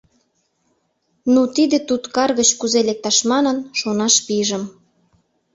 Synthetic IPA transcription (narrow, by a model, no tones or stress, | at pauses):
nut̪id̪et̪ut̪kɑrɣət͡ɕkuzelek̚t̪ɑʃmɑnə̆nʃonɑʃpiʒə̆m